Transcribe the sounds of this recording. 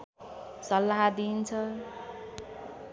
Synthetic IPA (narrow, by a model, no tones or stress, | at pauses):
sʌlːaɦad̪int͡sʰʌ